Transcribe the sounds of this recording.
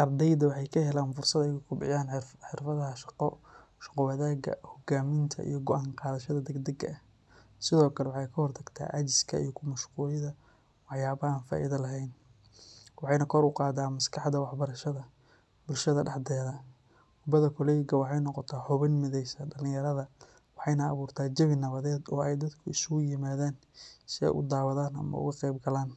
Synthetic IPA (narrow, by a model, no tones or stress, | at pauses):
ʔɐrd̪ɛjd̪ɐwɑħɑjkʰɐhɛlaːnfʊrsɐd̪ɛjʊkʰʊbɪ̰jaːnħɪrfɐðɐɦɐʃɑ̥qɔ | ʃɑ̥qɔwɐðaːɡɐ̰hɔɡaːmɪnt̪ʰɐ̰ʔḭjɔɡɔʔaːɴqɑːðɐʃɐðɐd̪ɛɡd̪ɐɡɐ | sɪðɔːkʰɐlɛwɑħɑjkʰɐhɔrt̪ʰɐɡt̪ʰa̰ːʔɐd͡ʒɪ̥skʰɐ̰ḭjɔkʰʊmɐʃquːlɪðɐ | wɑħjaːβɐaːnfa̰ːʔiðɐlɐɦɛjn | wɑħɑjnɐkʰɔɾʊqɑːd̪aːmɐskʰɑħd̪ɐwɑħbɐɾɐʃɐðɐ | bʊlʃɐðɐɖɑħd̪ɛːðɐ | hʊbɐðɐkʰɔlɛjɡɐwɑħɑjnɔqɔt̪ʰaːħɔβɐnmɪðɛjsɐɖɐlɪ̃jɐɾɐðɐ | wɑħɑjnɐːβuːrt̪ʰaːd͡ʒɐβɪnɐβɐðɛːd̪ɔːɛjd̪ɐd̪kʰʊɪsʊɣʊjɪmaːðaːn | sɪɛ̰jʔʊ̰d̪aːwɐðaːnɐ̰mɐ̰ʊ̰ɣɐqɛjbɡɐlaːn